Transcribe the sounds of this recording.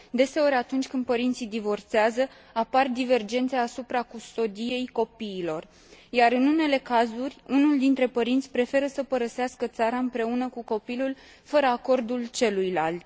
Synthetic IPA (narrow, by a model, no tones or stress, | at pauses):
d̪e̞se̞o̞ɾʲat̪unt͡ʃʲkɨnd̪̚pəɾint̪sijd̪ivo̞rt̪seazə | apard̪ive̞rd͡ʒe̞nt̪seaːsupɾakust̪o̞d̪ije̞jko̞piːlo̞r | jaɾɨnune̞le̞kazurʲunuld̪int̪ɾe̞pəɾint̪sʲpɾe̞fe̞ɾəsəpəɾəseaskət̪saɾaɨmpɾe̞unəkuko̞pilul | fəɾəako̞rd̪ult͡ʃe̞lujlalt̪